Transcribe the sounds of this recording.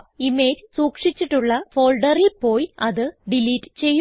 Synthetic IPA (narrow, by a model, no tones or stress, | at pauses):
ime̞ːd͡ʑsuːkʂit͡ɕːiʈːuɭːɐfo̞ːlɖɐrilpo̞ːjɐðɨɖiliːʈːɨ̥t͡ɕe̞jː